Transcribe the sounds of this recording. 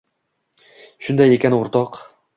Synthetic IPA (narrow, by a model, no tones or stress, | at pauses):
ʃʊnd̪ajekʲanoɾt̪ɒq